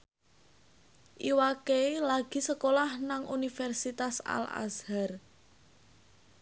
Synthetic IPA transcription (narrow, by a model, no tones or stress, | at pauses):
ʔiwakelaɡ̥i̤səkolahnaŋunifɛrsit̪asa̰la̰shar